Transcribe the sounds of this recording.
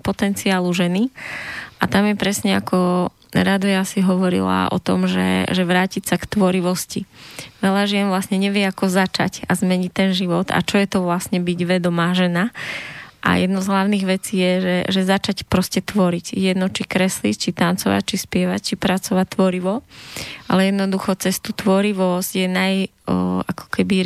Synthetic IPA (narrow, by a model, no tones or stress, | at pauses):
pɔt̪ɛnt͡siaːluʒɛni | ʔat̪amjɛpɾɛsɲɛa̰kɔ | ɾad̪ɔjasiɦɔʋɔɾḭla̰ɔ̰t̪ɔ̰mʒɛ̰ʒɛʋɾaːcicsakt̪ʋɔɾiʋɔsciʋɛʎaʒɪɛnʋlasɲɛɲɛʋɪɛakɔzat͡ʃa̰cazmɛɲict̪ɛnʒiʋɔt̪a̰t͡ʃɔjɛt̪ɔʋlasɲɛbiɟʋɛd̪ɔmaːʒɛna | ʔa̰jɛd̪nɔzɦlaʊniɣʋɛt͡siːjɛʒɛʒɛzat͡ʃacpɾɔscɛt̪ʋɔɾicjɛd̪nɔt͡ʃikɾɛslḭct͡ʃit̪ant͡sɔʋa̰c̚t͡ʃispɪɛʋact͡ʃipɾat͡sɔʋact̪ːʋɔɾiʋɔʔa̰lɛjɛd̪nɔd̪uxɔt͡sɛst̪uːt̪ʋɔɾiʋɔzɟjɛnaj | akɔ̥kɛbi